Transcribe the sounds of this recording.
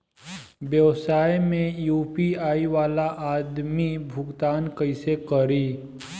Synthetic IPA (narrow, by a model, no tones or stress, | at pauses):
bjəʋsaːjmẽjuːpiaːiʋaːlaʔaːd̪mibʱʊɡt̪aːnkəɪsekəɾiː